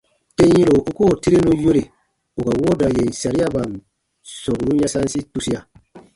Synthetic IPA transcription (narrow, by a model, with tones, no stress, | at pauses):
te˦ĩ˦ɾo˨u˦ko˦˨ti˦ɾe˦nũ˦je˦ɾe˨ | u˨ka˨wo˦da˨je˨i˨sa˨ɾi˦a˦ba˨n | sɔ˨knũ˦ja˦sa˦n˦si˦tu˦si˦ja˨